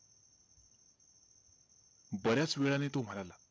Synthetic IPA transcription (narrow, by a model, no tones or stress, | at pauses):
bəɾjat͡sʋeɭanet̪om̤əɽala